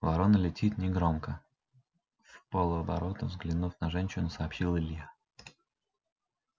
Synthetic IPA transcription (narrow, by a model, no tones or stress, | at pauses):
vɐɾo̞nəlʲɪtʲit̪nʲɪɡɾo̞mkə | fpolˠʊɐbɐɾo̞t̪əvzɡlʲɪnufnɐʐɛnʲɕɪnəsɐːpɕilˠəlʲja